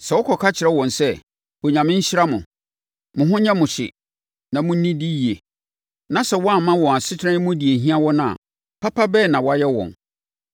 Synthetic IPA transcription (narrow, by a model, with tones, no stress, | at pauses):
sɛ˨wɔ˦kʰɔ˨kʰa˦t͡ɕʰɪ˨ɛ˦wɔ̃˨nsɛ˦ | wo˨ɲã˨mɪ̃˦ɲ̩˦ɕɪ˦ɾa˦mʊ̃˨ | mʊ̃˨ɦʊ̃˦ɲã˦mʊ̃˨ɕɪ̰˨ | nã˨mʊ̃˦n̩˦nĩ˦di˦ji˨e˨ | nã˨sɛ˦˨wɔ˦a˦˨˦mã˦wɔ̃˨a˨sɪ˦tʰã˦n˦mʊ̃˦di˨e˨ɦĩ˦a˦wɔ˦nã˦˨a̰˨ | pʰa˦pʰa˦bɛː˦˨nã˨wɔ˦a˦jɛ˦wɔ̰̃˨n